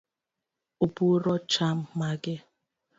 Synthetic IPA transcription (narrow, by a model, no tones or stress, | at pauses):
ubuɾɔt͡ʃam̩maɡɪ